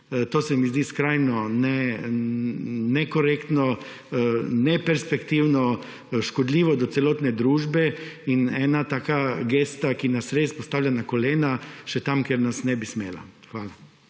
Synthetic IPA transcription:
t̪oːsɛmizd̪iːskɾajnɔnɛ | nɛkɔɾeːkt̪nɔ | nɛpɛɾspɛkt̪iːwnɔ | ʃkɔd̪lʲiːʋɔd̪ɔtsɛloːt̪nɛd̪ɾuːʒbɛinɛːnat̪aːkaɡeːst̪akinasɾespɔst̪aːwlʲanakɔleːnaʃɛt̪amkɛɾnasnɛbismḛːla̰xʋaːla

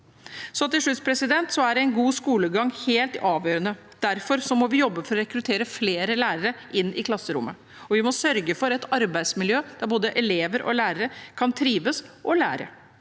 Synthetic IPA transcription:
sɔt̪ːɪʂʉt̪spʰɾɛsɪd̪ɛnt̪sɔæɖɛɛɪnɡuːskuːləɡɑŋːheːlt̪ɑːʋjøːɾənə | d̪̥æɾfɔɾsɔmɔʋɪjɔbːəfɔɾɔɾɛkɾʉt̪ʰeːɾəfleːɾəlæːɾəɾəʔɪnːɪkʰlɑsːəɾʊ̰mːə | ɔʋɪmɔsœɾɡəfɔɾɛt̪ɑɾbæɪd̪smɪljøːd̪̥æɾboːd̪əʔɛleːʋəɾʔɔ̰læːɾəɾəkʰɑnt̪ʰɾiːʋəsʔɔlæ̰ːɾə̰

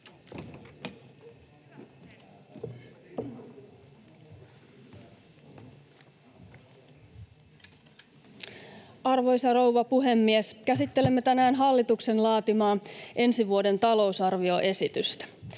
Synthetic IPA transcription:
ɑrʋo̞jsɑrowʋɑpuɦe̞mːieskæsit̪ːe̞le̞mːet̪ænæːnɦɑlːit̪ukse̞nlɑːt̪imɑːʔe̞nsiʋuode̞nt̪ɑlo̞usɑrʋio̞ʔe̞sit̪yst̪æ̥

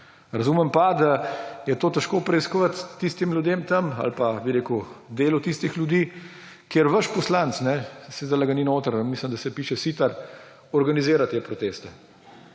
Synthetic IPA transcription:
ɾɐzuːmɛmpad̪ajɛt̪oːt̪ɛʃkoːpɾɛiskɔʋat̪ːist̪imlʲjud̪eːmt̪ɐma̰lpabiɾeːkud̪eːlɔt̪ist̪ixlʲjud̪iː | keɾʋəʃpɔslant̪snɛsed̪alaɡaninoːt̪əɾmisləmd̪ɐsɛpiːʃɛsiːt̪aɾ | ɔɾɡanizeːɾat̪eːpɾɔt̪eːst̪ɛ

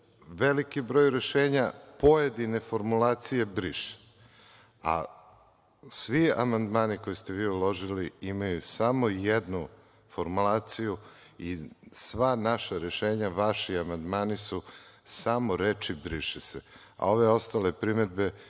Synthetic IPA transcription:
ʋelikibɾo̞ːjɾe̞ʃeːɲapo̞je̞d̪ine̞fo̞ɾmulˠaːt̪sije̞bɾiʃe̥ | a̰ | sʋiamand̪maːniko̞jist̪e̞ʋiːulo̞ʒiliimajusamo̞jed̪nu | fo̞ɾmulˠaːt̪siju | isʋanaʃaɾe̞ʃeːɲaʋaʃiamand̪maːnisusamoɾet͡ʃibɾiʃese | a̰o̞ʋe̞o̞st̪ale̞pɾime̞d̪be̞

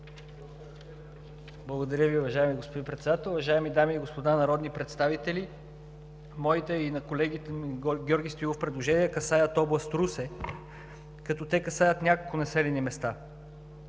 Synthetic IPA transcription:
blˠɐɡod̪ɐɾʲəviʊvɐʒaɛmiɡospod̪inpɾɛt̪sɛd̪at̪ɛlˠʊvɐʒaɛmid̪amiːɡospod̪anɐɾɔd̪nipɾɛt̪st̪avit̪ɛlʲi | mɔit̪ɛinɐkolɛɡit̪ɛmɡʲɔɾɡʲist̪oivofpɾɛd̪lˠoʒɛniɛkɐsajət̪ɔblˠɐst̪ɾusɛ | kɐt̪ɔt̪ɛkɐsajət̪nʲakolˠkʊnɐsɛlɛnimɛst̪a

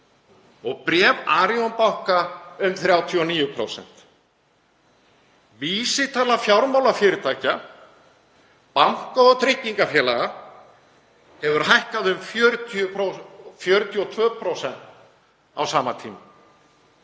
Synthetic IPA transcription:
ɔɣpɾɛːvaːɾiɔnpawhkaʏmθɾjaːwt̪ʰiɔniːjʏpʰɾo̰wsɛ̰n̥t̪ | viːsɪt̪ʰaːlafjawɾmaːwlafjɪːɾɪt̪ʰaːjca | pam̥kaɔt̪ʰɾɪhcːiŋkafjɛːlaɣa | hɛvʏɾhajhkaðʏmfjœːɾʏt̪ʰʏofjœːɾʏt̪ʰjʏɔt̪ʰvœːpʰɾowsɛn̥t̪ | a̰wsaːmat̪ʰiːma̰

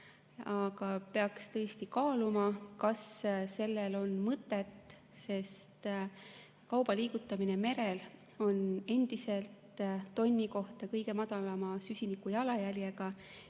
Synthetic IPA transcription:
ɑɡ̥ɑpe̞ɑkst̪ɤest̪ikɑːlumɑkɑsse̞lːelo̞nmɤt̪ːˑe̞t̪ | se̞st̪ | kɑwb̥ɑliːɡ̥ut̪ːˑɑmine̞me̞ɾe̞l | o̞ne̞nd̪̥ise̞lt̪ːo̞nʲːiko̞ht̪ɑkɤjɡ̥e̞mɑd̪̥ɑlɑmɑsysʲinikːˑujɑlɑjælʲjeɡ̥ɑ

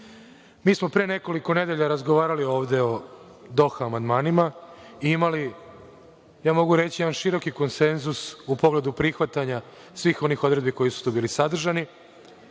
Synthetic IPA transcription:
miːsmo̞pɾene̞ko̞liko̞ne̞d̪e̞ʎaɾazɡoʋaːɾalio̞ːʋd̪e̞o̞ | d̪o̞xamand̪maːnimaiimali | jaːmo̞ɡuɾe̞t͡ɕijeanʃiɾo̞kiko̞nse̞nzusupo̞ɡle̞d̪upɾixʋat̪aɲa | sʋiːxo̞nixo̞d̪ɾe̞d̪biko̞jisu̥t̪obiːlisad̪r̩ʒani

